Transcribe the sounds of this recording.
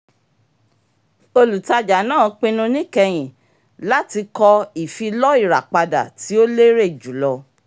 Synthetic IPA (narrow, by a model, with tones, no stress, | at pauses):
o˧lu˨ta˧d͡ʒa˨˦nãː˦˨k͡pĩ˧nũ˧nĩ˦kɛ˧j̃ĩ˨ | la˦ti˧kɔ˧i˨fi˧lɔ˦i˦˨ɾa̰˨k͡pa˧da̰˨ti˨˦o˦le˦ɾe˦˨d͡ʒu˨˦lɔ˧